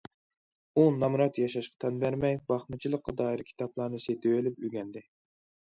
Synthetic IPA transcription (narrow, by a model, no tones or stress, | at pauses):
unɑmɾɑt̪jɑʃɑʃqɑ̥t̪ʰɑnbæɾmɛjbɑχmɨt͡ʃʰilˠəqːɑd̪ɑːiɾkʲʰi̥t̪ʰɑplˠɑɾnɨset̪ʰɪwelɪp̚yɡʲɛnd̪ɪ